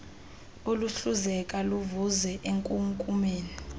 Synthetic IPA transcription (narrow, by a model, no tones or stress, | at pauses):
oluɬuzɛkʼaluvuzɛʔeŋkʼuŋkʼumeːni